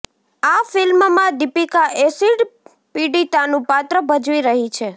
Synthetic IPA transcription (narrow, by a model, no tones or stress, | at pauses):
afɪlmmãd̪ipikaʔesiɖ | piɖit̪anũpat̪ɾəbəd͡ʒʋiɾəɦit͡ʃʰe